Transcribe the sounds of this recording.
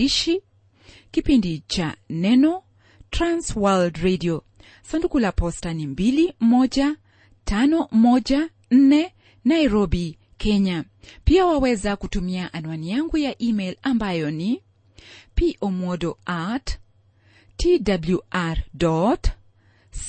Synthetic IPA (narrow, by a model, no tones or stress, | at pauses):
iʃi | kipindit͡ʃa̰nɛnɔ | tɾanswaldɾediɔ | sandukulapɔstanimbilimɔd͡ʒa | tanɔmɔd͡ʒa | n̩nɛ | naiɾɔbi | kʰɛɲa | piawawɛzakutumiaʔanuwanijaŋɡujaʔimɛlambajɔni | piʔomɔdɔat | tidabljuaɾdɔt